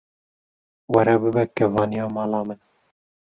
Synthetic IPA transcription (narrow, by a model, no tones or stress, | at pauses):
wɛɾɛbɨbɛkɛvɑːnijɑːmɑːlɑːmɨn